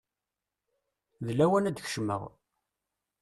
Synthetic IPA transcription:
ðlæwænæd̪ç̥ʃmə̰ʁ

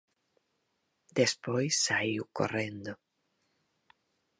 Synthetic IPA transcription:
d̪espojsːaiuko̰rend̪o

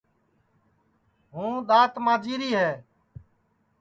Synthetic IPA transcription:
ɦũːɗ̪aːt̪mãːd͡ʒiːɾiːɦɛː

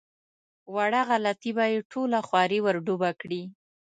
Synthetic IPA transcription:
waɽaɣalat̪ibajeʈʰolaxwɑɾiwəɾɖubakɽi

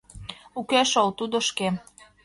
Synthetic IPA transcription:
ukæʃolt̪ud̪oʃke

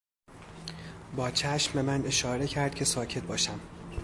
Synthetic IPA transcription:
bɒːt͡ʃʰæʃmbemæne̞ʃɒːɾe̞cʰæɾd̪̥̚cʰe̞sɒːcʰe̞t̪̚bɒːʃæm

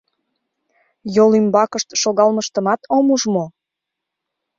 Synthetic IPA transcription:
jolymbɑkəʃt̪ʃoɣɑlməʃt̪əmɑt̪ʰomuʒmo

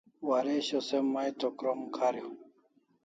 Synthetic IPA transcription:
waɾeɕosemːajt̪okɾomkʰaɾjo

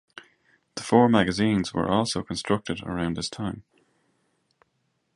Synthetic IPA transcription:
ðəfɔːɹmæɡɨzĩnzwə̰˞ʔɔlˠsoʊkʰə̃nstɹ̥ʌk̚tɪɾə̰ɹãʊ̃ndðɪstʰãɪ̃m

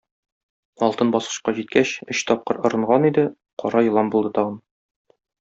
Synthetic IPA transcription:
ɒlˠt̪ɤnbɒsqɤ̥̆ɕqɑʑit̪̚kæɕɘ̆ɕt̪ɒp̚qɤɾŏɾɤ̆ɴʁɑnid̪ɘ | qɒɾɑjɤ̆lˠɑmbulˠd̪ɤt̪ɒʁɤn

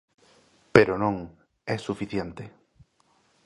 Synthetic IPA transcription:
peɾonõŋ | ɛsufiθjent̪e

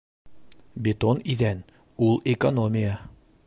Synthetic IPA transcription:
bʲɪt̪oniðæn | ulˠekonomʲɪjə

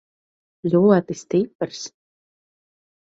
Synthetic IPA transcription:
lʲuɔt̪ist̪ipːɨɾs

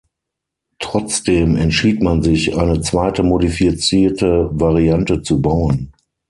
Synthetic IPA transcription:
tʁ̥ɔt͡sd̥eːmɛntʃiːtmanzɪçʔaɪnət͡sv̥aɪtəmodifit͡siːɐtəvaʁiantət͡subaʊən

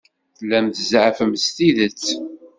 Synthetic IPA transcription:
θlːæmt̪əzʕəfəmst̪iðət͡sː

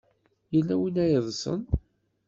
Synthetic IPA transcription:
jəlːæwinæjəðˤsə̰n

